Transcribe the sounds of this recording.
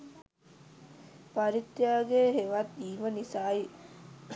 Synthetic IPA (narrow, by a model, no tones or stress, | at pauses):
paɾit̪jaːɡeɦeʋat̪iːʋənisaːi